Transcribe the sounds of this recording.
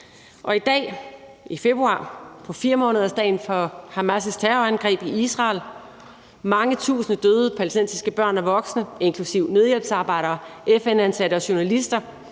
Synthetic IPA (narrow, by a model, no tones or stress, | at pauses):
ʔɒ̽id̥ɛ̰ː | ife̝b̥ʁuɑ̰̈ːpʰɒ̽fiːɐmɔ̽ːnəð̞̩ˠɐsd̥ɛ̰ːɪnfɒ̽hæmæsəst͡sʰæʁoænɡ̥ʁɛ̰ːb̥iisʁɑ̈ːl | mɑ̈ŋət͡sʰṵːsn̩əd̥øːð̞ˠəpʰælesd̥en̰sisɡ̥əb̥ɶɐ̰næɐʋɒ̽ɡ̥snəe̝nkʰlusiʊ̰ne̝ð̞ˠjelb̥sɑ̈ːb̥ɑ̈ɪ̰ɾ̥ɐːʔefenænsæɾ̥əɒ̽ɕo̝nælisd̥ɐ